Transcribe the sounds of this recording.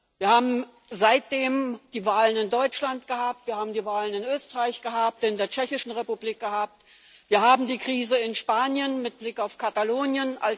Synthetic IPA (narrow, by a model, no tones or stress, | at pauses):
viːɐhaːbm̩ | zaɪt̚d̥eːmd̥iːvaːlənɪndɔʏt͡ʃlantɡ̥əhaːp̚tv̥iːɐhaːbm̩diːvaːlənɪnøːstəʁaɪçɡ̥əhaːp̚tɪndeːɐt͡ʃɛçɪʃn̩ʁepubliːk̚ɡ̥əhaːp̚t | v̥iːɐhaːbm̩diːkʁ̥iːzəɪnʃpaːnjənmɪt̚b̥lɪkaʊfkʰataloːnjənʔa̰l